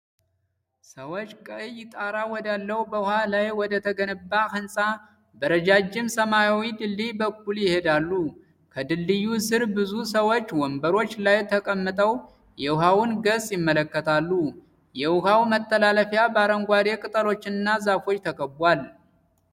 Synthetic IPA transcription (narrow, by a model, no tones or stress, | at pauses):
səwo̞t͡ʃːkʼəjːɪt̪ʼaɾawɔd̪alːəwubəuhalajwɔd̪ət̪ʰəɡənɨbːaxɨnsʼa | bəɾəd͡ʒad͡ʒːɪmsəmajawid̪ɨlːibək̚ːuljɪhe̞d̪alːu | kʰəd̪ɨlːɨjːusɨɾbɨzusəwo̞t͡ʃːwɔmbəɾo̞t͡ʃːlajt̪ʰəkʼəmːɨt̪ʼəw | jɛuɦawunɡəsʼjɪmːələkːət̪ʰalːu | jɛʊhawmət̪ʰʼːəlaləfjabaɾəŋɡʷaɾe̞kʼɨt̪ʼəlo̞t͡ʃːɪnɨnːazafo̞t͡ʃːt̪ʰəkʼəbʷal